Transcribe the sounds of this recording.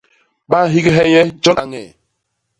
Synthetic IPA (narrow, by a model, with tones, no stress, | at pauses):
ɓa˦ɦi˦ɡɛ˦ɦɛ˦jɛ˦d͡ʒɔ˦na˨ŋɛ̰˨